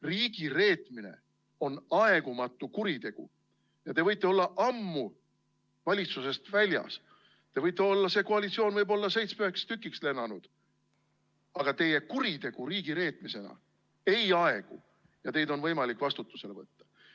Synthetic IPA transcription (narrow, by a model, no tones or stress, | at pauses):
riːɡ̥ire̞ːt̪ˑmine̞̰ | o̞nɑe̞ɡ̥umɑt̪ˑːukuɾit̪e̞ɡ̥ṵ | jɑt̪e̞vɤjt̪ˑːe̞o̞lːɑʔɑmːu | vɑlʲit̪suse̞st̪vælʲjɑ̰s | t̪e̞vɤjt̪ːˑe̞o̞lːɑse̞koɑlit̪sioːnvɤjbo̞lːɑse̞jt̪smyekst̪ykˑːiksle̞nːɑnud̪̥ | ɑɡ̥ɑt̪e̞je̞kuɾit̪e̞ɡ̥uɾiːɡ̥iɾe̞ːt̪ˑmise̞nɑ̰ | e̞jɑe̞ɡ̥u | jɑt̪e̞jd̪o̞nvɤjmɑlikːvɑst̪ut̪ːˑuse̞le̞vɤt̪ːɑ̥